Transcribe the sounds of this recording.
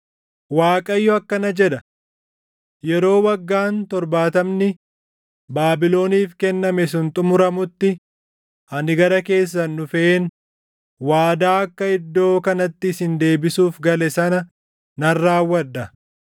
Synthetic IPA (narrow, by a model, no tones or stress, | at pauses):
waːkʼɐjːɔɐkːɐnɐd͡ʒɛᶑ̪ɐ | jɛɾo̞ːwɐɡːaːnt̪ɔɾbaːt̪ɐmnɪ | baːbɪlo̞ːniːfkɛnːɐmɛsʊnt̪ʼʊmʊɾɐmʊt̪ːɪ | ɐnɪɡɐɾɐke̞ːs̬ːɐnːʊfɛʔeːn | waːd̪aːɐkːɐɪd̪ːo̞ːkɐnɐt̪ːɪːsɪnd̪e̞ːbɪsuːfɡɐlɛsɐnɐ | nɐrːaːwːɐᶑːɐ